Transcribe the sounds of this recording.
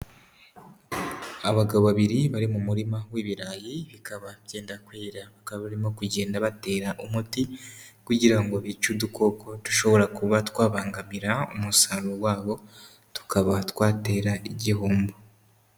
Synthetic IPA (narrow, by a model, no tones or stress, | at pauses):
aβaɡaβoβaβiɾiβaɾimumuɾimawiːβiɾaːjiβikaβaβje̞ːndakwiːɾaβakaβaβaɾimo̞kuɟe̞ːndaβate̞ːɾaʔumutikuɟiɾaŋɡoβit͡ʃuduko̞kʰo̞tu̥ʃo̞βo̞ɾakuβatwaːβaːŋɡamiɾaumusaluwaːβo̞ | tu̥kʰaβatwaːte̞ːɾaiɟiɦuːmbo